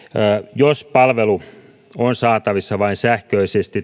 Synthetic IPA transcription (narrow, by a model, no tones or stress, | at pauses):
jospɑlʋelu | onsɑːt̪ɑʋisːɑʋɑinsæhkøisest̪i